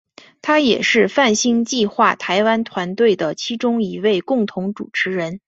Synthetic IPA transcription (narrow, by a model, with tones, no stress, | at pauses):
t̪ʰa˥jɛ˨˩ʂɻ̩˥˧fa˥˩nɕi˥ŋt͡ɕi˥˧xwa˥˩t̪ʰa˧˥ɪwa˥nt̪ʰwa˧˥nt̪we˥˩ɪd̪ə˩t͡ɕʰi˥ʈ͡ʂʊ˥ŋi˧˥we˥˩ɪkʊ˥˩ŋt̪ʰʊ˧˥ŋʈ͡ʂṵ˨˩ʈ͡ʂʰɻ̩˧˥ɻə˧˥n